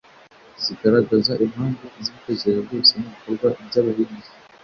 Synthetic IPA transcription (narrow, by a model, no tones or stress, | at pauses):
z̥iɡaɾaɡazaʔimhaːŋɡoziβiteɟeɾejabɡoːseniβikoɾɡwabɟaβaɦinii